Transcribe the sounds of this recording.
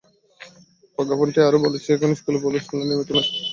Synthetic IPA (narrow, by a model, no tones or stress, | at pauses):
pɔɡʱɔponʈiaɾobolet͡ɕʰeekonoskulebolet͡ɕʰenanimet̪ona